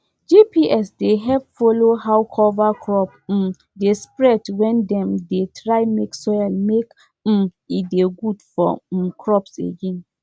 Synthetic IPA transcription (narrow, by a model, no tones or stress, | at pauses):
d͡ʒipʰiʔɛsdeɦɛvfolohawkʰɔvakʰɹɔp̩ | despɹɛdwɛ̃ndɛ̃mdetʰɹaɪmeksɔjlmek | m̩ | ideɡudfɔ̰kʰɹɔpsḛɡẽn